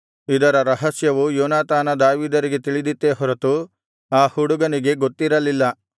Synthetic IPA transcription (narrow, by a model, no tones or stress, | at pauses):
id̪ɐɾɐɾɐɦɐsjɐʋujoːnaːt̪aːnɐd̪aːʋiːd̪ɐɾiɡe̞t̪iɭid̪it̪ːeːɦɔɾɐt̪u | aːhuɽuɡɐniɡe̞ɡot̪ːiɾɐlilːɐ